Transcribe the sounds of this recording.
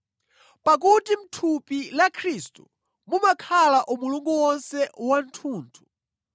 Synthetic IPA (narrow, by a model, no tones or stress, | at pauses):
pak̬utim̩tʰupilakʰɾistu | mumakʰalaʔumuluŋɡuwɔnsɛwan̩tʰuːntʰu̥